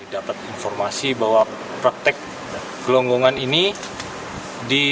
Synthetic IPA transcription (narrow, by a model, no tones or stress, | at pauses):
idapat̪̚infɔrmasibawa | pɾak̚t̪ɛk̚ | ɡ̥əlɔŋɡoŋanini | di